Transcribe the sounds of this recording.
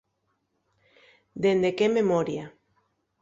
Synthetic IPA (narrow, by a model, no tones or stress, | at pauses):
d̪end̪ekememoɾja